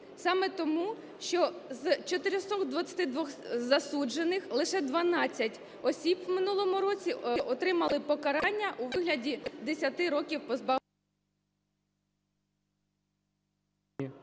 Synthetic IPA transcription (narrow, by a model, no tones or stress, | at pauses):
sɑmɛt̪ɔmu | ʃt͡ʃɔzt͡ʃɔt̪ɪɾɪsɔkd̪ʋɐt͡sʲɐt̪ɪd̪ʋɔxzɐsud͡ʒe̞nɪxlˠɪʃɛd̪ʋɐnɑt͡sʲːɐtʲ | ɔsʲibwmɪnulˠɔmʊɾɔt͡sʲiʔɔt̪ɾɪmɐlˠɪpɔkɐɾɑnʲːɐʔuʋɪɦlʲɐdʲid̪esʲɐt̪ɪɾɔkʲiwpɔzbɑ